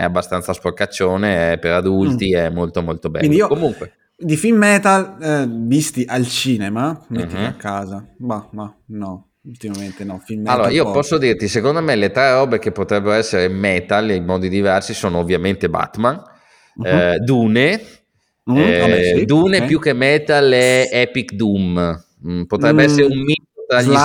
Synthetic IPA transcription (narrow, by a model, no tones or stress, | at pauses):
ɛ̰abːast̪ansaspokːat͡ʃːoːneɛpeɾad̪ult̪iɛmːolt̪omolt̪obɛ̰inːd̪iiokomuŋkwe | d̪ifimːɛt̪alvist̪iʔalt͡ʃiːnemamet̪ːimiakːaːzabamanɔ | ult̪imament̪enɔfimalloːɾaiopɔsːod̪irt̪isekond̪omelet̪ɾɛrɔːbek̟epːot̪ɾɛbːeɾoɛsːeɾemːɛt̪alimɔːd̪id̪ivɛrsisoːnoːvːjament̪eba̰t̪man | d̪uːne | ɛd̪uːnepjuk̟ːemɛːt̪alɛɛpikd̪um | pot̪ɾɛbːeɛsːeɾeummit̪ot̪ɾaʎːi